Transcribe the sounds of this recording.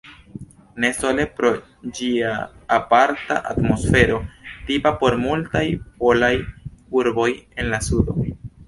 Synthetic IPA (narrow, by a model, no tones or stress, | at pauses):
ne̞so̞le̞pɾo̞ | d͡ʒiaːpaɾta̰ʔa̰tmo̞sfe̞ɾo̞tipapo̞ɾmultajpo̞lajuɾbo̞je̞nlasudo̞